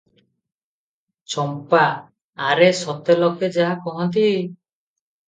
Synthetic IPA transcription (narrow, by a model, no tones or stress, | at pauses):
t͡ʃɔmpaː | ɾesɔt̪elɔked͡ʒaakɔɦɔ̃nt̪̬i